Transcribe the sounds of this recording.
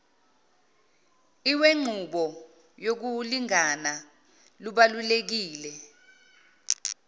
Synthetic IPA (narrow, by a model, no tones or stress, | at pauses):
iweŋ͡ǀʱuɓɔ | jok̬uliŋana | luɓalulek̬iːlɛ